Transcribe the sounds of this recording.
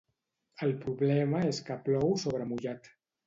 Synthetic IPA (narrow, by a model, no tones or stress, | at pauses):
əlpɾuβlɛməeskaplɔwsoβ̞ɾəmuʎat̪